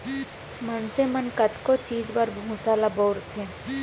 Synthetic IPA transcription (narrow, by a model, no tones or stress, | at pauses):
mənsemənkət̪kot͡ʃiːd͡ʒbəɾbʱũːsalaboːɾt̪ʰeː